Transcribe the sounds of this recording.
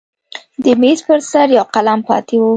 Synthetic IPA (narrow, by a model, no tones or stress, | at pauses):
d̪əmespəɾsaɾjɑwqalampɑ̰t̪ewu